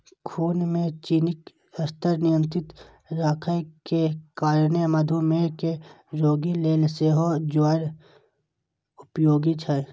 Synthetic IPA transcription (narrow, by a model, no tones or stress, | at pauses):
kʰuːnmẽt͡ʃiːnɪk | əst̪əɾnɪjə̃nt̪ɾɪt̪ | ɾaːkʰəjkekaːɾnemɐd̪ʱumẽke | ɾoːɡileːlseːɦod͡ʒaːɾ | ʊpjoːɡit͡ʃʰɛ